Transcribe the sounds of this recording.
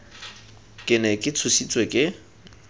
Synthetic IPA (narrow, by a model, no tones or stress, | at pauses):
kʼɪnɛkʼɪt͡sʰʊsit͡sʼwekʼɪ